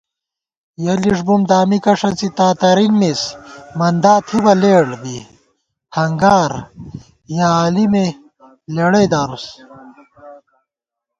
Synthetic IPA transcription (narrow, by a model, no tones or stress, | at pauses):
jɐliʂbumd̪aːmikɐʂɐnt͡sit̪aːt̪ɐɾinmismɐnd̪aːt̪ʰibɐleːɽbi | hɐŋɡaːɾ | jaːlime | leɽejd̪aɾs